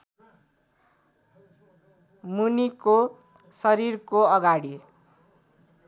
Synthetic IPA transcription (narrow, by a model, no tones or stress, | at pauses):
muniko | sʌɾirkoʌɡaɽi